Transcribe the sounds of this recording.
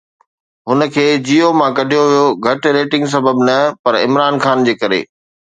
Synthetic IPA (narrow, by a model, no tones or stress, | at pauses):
ɦʊnə̆kʰeːd͡ʑiːomãkɐɖʱijoʋijoɡʱɐʈɾeːʈɪ̃ŋɡs̬ɐbəbnɐpɐɾɪ̰mɾaːnxaːnd͡ʑeːkɐɾḛː